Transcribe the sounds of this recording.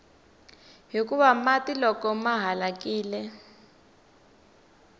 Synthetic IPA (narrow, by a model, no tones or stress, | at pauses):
ɦik̬uβamatilɔkɔmaɦalakiːlɛ